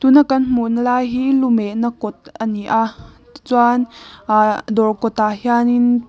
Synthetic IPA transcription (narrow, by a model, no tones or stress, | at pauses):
t̪unakɐnm̥unlajɦilumɛʔnakɔt̪̚əniʔa | t͡swan | d̪ɔrkɔt̪ahjanin